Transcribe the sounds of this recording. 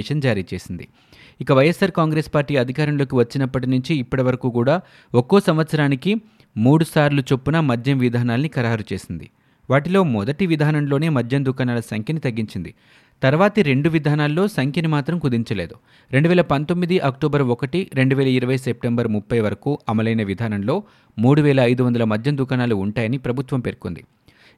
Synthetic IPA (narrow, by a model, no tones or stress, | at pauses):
ʂɐnd͡ʒaːɾiːt͡ʃe̞ːsind̪i | ikɐʋɐjːesaːɾkaːŋɡɾeːspaːɾʈːiːɐd̪ʱikaːɾɐmlo̞ːkiʋɐt͡ʃːinɐpːɐʈinuɲt͡ʃiːpːɐʈiʋɐɾɐkuːkuːɽaː | okːoːsɐmʋɐt̪sɐɾaːniki | muːɽusaːɾlut͡ʃo̞pːunɐmɐd̪ʱjɐmʋid̪ʱaːnaːlɐnikɐɾaːɾut͡ʃe̞ːsind̪ḭ | ʋaːʈilo̞ːmɔd̪ɐʈiʋid̪ʱaːnɐmlo̞ːne̞ːmɐd̪ʱjɐmd̪ukaːnaːlɐsɐŋkʰjɐnit̪ɐɡːiɲt͡ʃind̪i | t̪ɐɾʋaːt̪ɐɾe̞ɳɖuʋid̪ʱaːnaːlːo̞ːsɐŋkʰɐnimaːt̪ɾɐmkud̪iɲt͡ʃɐleːd̪u | ɾeɳɖuʋɛːlɐpɐnt̪o̞mːid̪iʔɐkʈoːbɐɾʋɔkɐʈiɾe̞ɳɖuʋɛːlɐiɾɐʋɐjsep̚ʈembɐɾmupːɐjʋɐɾɐkuːʔɐmɐlɐjnɐʋid̪ʱaːnɐnlo̞ː | muːɽuʋɛːlɐːjd̪uʋɐnd̪ɐlɐmɐd̪ʱjɐnd̪ukaːnaːluːɳʈaːjɐnipɾɐbʱut̪ʋɐmpe̞ɾko̰nd̪ḭ